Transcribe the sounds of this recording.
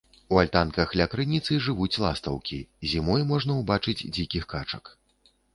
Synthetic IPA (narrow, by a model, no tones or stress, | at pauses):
ualʲt̪ankɐxlʲakɾɨnʲit̪sɨʐɨvut͡sʲlˠast̪ɐwkʲizʲimɔjmɔʐnɐwbat͡ʂɨd͡zʲd͡zʲikʲixkat͡ʂɐ̰k